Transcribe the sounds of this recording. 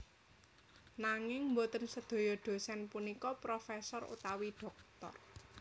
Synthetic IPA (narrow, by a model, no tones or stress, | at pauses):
naŋɪŋmbot̪ənsəd̪̥o̤jɔɖ̪̥o̤sɛnpunikɔpɾɔfɛsɔrṵt̪awiɖ̥ɔ̤k̚t̪ɔ̰r